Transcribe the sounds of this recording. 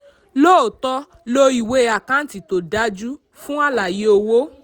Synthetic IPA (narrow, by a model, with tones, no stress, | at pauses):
lo˦o˨tɔ˧ | lo˧i˨we˧a˨kã˦n̩˦ti˨to˨da˨˦d͡ʒu˦ | fũ˦a˦la˨je˨˦o˧wo˦